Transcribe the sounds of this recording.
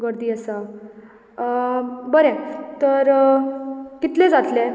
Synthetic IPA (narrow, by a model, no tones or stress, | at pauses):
ɡəɾd̪iːəsə | bəɾɛ̃t̪əɾ | kit̪lẽd͡zat̪le